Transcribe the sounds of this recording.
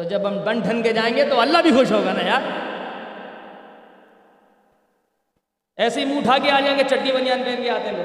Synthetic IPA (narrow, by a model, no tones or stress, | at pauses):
t̪od͡ʒɐbɦɐmbɐ̃ɳɖʱənked͡ʒaːẽːŋɡet̪oɐlːabʱixoʃɦoːɡaːnaːjaːɾ | ɛːsimũːɖʱaːɡeaːd͡ʒãːŋɡet͡ʃɐɖːibɐnjãːnmẽːnɡeaːt̪ẽːo